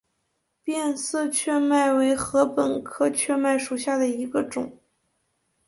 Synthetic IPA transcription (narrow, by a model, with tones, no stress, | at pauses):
pjɛ˥˧nsɹ̩˥˧t͡ɕʰɥɛ˥˧ma˥˩ɪwe˧˥ɪxɤ˧˥pə˨˩nkʰɤ˥˧t͡ɕʰɥɛ˥˧ma˥˩ɪʂu˨˩ɕja˥˩d̪ə˩i˧˥ɡə˧ʈ͡ʂʊ˨˩˦ŋ